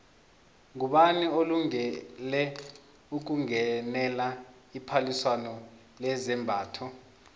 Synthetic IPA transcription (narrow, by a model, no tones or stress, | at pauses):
ŋuɓanioluŋɛlɛ | uk̬uŋɛnɛla | ipʰaliswanɔ | lɛzɛmbʱaːtʰɔ